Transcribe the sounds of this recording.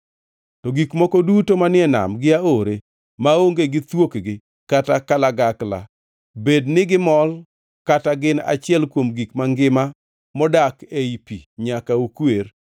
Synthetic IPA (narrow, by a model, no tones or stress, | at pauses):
tɔɡikmɔkɔdutomanɪɛna̰mɡɪaoɾe | maoŋɡeɡɪt̪wokɡɪ | katakalaɡakla̰ | bednɪɡɪmɔl | kataɡɪna̰t͡ʃɪɛlkwomɡikmaŋɡɪma | mɔdakeipiɲakaukwer